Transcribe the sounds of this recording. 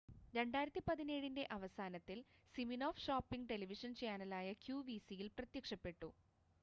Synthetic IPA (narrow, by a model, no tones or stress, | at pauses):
ɾe̞ɳɖaːjɾɐt̪ːipɐðine̞ːɻinde̞ʔɐʋɐsaːnɐt̪ːilsiminoːfʂaːpːiŋɡʈe̞liʋiʂɐnt͡ɕaːnɐlaːjɐkjuːʋisijilprɐt̪jɐkʂɐpːe̞ʈːṵ